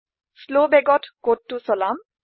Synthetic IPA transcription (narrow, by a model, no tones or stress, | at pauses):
slobɛɡɔtkotːusɔlam